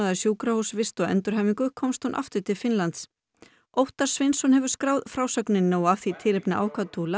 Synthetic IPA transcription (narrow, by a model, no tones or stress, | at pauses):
aðaɾsjuːkɾahusvɪst̪ɔɛ̰nt̪ʏɾ̥ɦɛːviŋkʏkʰɔmst̪hunʔa̰ft̪ʏɾ̥t̪ʰɪlfɪnlant̪s | owht̪aɾ̥svɪnsɔnhɛvʏɾ̥skɾaːwðfɾaːwsœknɪnːaːwaθit̪ʰɪɾɪpnɪʔa̰wkʰat̪ʰula